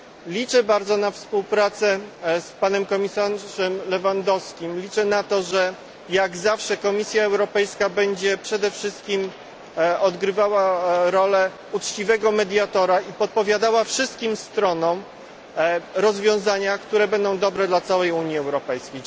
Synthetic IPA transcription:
lʲit͡ʂɛbaɾd̪zɔnafspuwpɾat̪sɛspanɛmkɔmʲisaʐɛmlɛvand̪ɔskʲimlʲit͡ʂɛnat̪ɔʐɛ | jaɡzafʂɛkɔmʲisʲjaɛwɾɔpɛjskabɛɲd͡ʑɛpʂɛd̪ɛfʂɘst̪̚kʲim | ɔd̪ɡɾɘvawaɾɔlɛ | ut͡ʂt͡ɕivɛɡɔmɛd̪ʲjat̪ɔɾaipɔt̪̚pɔvʲjad̪awafʂɘst̪kʲimst̪ɾɔnɔ̃w̃ | ɾɔzvʲjɔ̃w̃zaɲakt̪uɾɛbɛnd̪ɔ̃w̃d̪ɔbɾɛd̪lat̪sawɛjuɲjiɛwɾɔpɛjskʲej

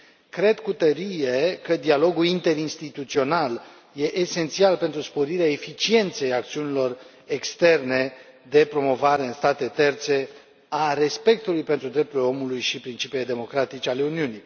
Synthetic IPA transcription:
kɾe̞d̪kut̪əɾije̞kəd̪ialo̞ɡulint̪e̞ɾinst̪it̪ut̪sio̞nal | je̞ʔese̞nt̪sialpe̞nt̪ɾuspo̞ɾiɾeae̞fit͡ʃie̞nt̪se̞jak̚t̪siunilo̞r | e̞kst̪e̞rne̞d̪e̞pɾo̞mo̞vaɾe̞ɨnst̪at̪e̞t̪e̞rt̪se̞ | aɾe̞spe̞k̚t̪ulujpe̞nt̪ɾud̪ɾe̞p̚t̪uɾleo̞mulujʃipɾint͡ʃipilejd̪e̞mo̞kɾat̪it͡ʃale̞uniunij

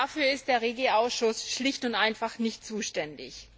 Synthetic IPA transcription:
afyːɐɪstd̥eːɐʁeːɡl̩aʊsʃʊsʃlɪçtʊntʔaɪnfaχnɪçtt͡suːʃtɛndɪ̰ç

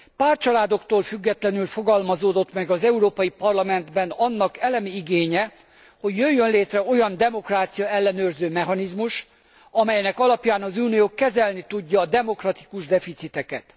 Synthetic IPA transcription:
paːrt͡ʃɒlaːd̪o̞kt̪oːlfyɡːɛt̪lɛnylfo̞ɡɒlmɒzoːd̪o̞t̪mɛɡɒzɛuɾoːpɒjipɒrlɒmɛnd̪bɛnɒnːɒkɛlɛmiiɡeːɲɛ | ho̞ɟjøjːønleːt̪rɛo̞jɒnd̪ɛmo̞kraːt̪sijɒɛlːɛnøːrzøːmɛɦɒnizmuʃ | ɒmɛjnɛkɒlɒpjaːnɒzuːnijoːkːɛzɛlnit̪uɟːɒːd̪ɛmo̞krɒt̪i̥kuʒd̪ɛfit̪sit̪ɛkɛt̪

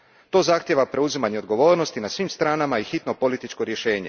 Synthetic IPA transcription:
t̪o̞ːzaxt̪jeʋapɾe̞uzimaɲeo̞d̪ɡo̞ʋo̞ːɾnost̪inasʋiːmst̪ɾaːnamaixit̪no̞po̞lit̪it͡ʃko̞ɾje̞ʃe̞ːɲe̞

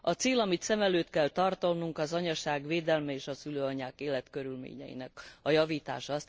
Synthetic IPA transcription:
ɒt̪seːlɒmit̪sɛmɛløːt̪kɛlt̪ɒrt̪olnuŋkɒzɒɲɒʃaːɡʋeːd̪ɛlmɛeːʃɒsyløːɒɲaːkeːlɛt̪kø̞ɾylmḛːɲɛ̰jḭnɛkɒjɒviːt̪a̰ːʃɒɒst̪

